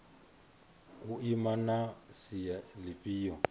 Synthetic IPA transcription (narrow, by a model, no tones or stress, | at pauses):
ʊimanasijalɪpʼiːjɔ